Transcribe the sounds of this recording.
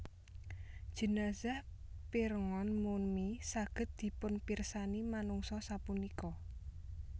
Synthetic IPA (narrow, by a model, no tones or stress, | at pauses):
d̥ʒ̥ə̤nazah | piɾŋɔnmunmisaɡ̥ə̤t̪̚d̪̥i̤pʊnpirsanimanuŋsɔsapunikɔ